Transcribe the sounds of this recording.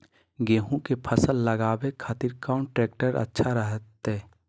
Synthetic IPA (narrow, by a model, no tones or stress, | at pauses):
ɡeːɦũkepʰəsəlːəɡaːbekʰaːt̪iɾkaːɳʈɾeːk̚ʈəɾə̰tːʃʰaɾəɦət̪ɦɛː